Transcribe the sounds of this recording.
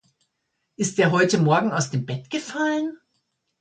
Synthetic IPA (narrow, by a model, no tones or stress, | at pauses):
ʔɪst̚d̥eːɐɦɔʏtəmɔɐɡŋ̩aʊsd̥eːmbɛtɡ̥əfalən